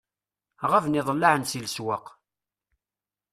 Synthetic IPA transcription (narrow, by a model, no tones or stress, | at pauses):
ʁəvnɪðˤəlːaʕənsilswəq